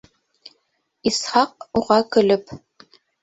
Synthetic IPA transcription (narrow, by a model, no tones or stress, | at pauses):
isħɑq̚uʁɑkəlɘp̚